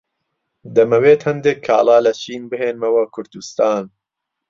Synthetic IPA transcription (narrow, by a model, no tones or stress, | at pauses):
d̪ɐmɐweːt̪hɐnd̪eːkʰːa̰ːlˠaːlɐt͡ʃʰiːnbɨɦeːnmɐwɐkʰʊɾd̪ust̪aːn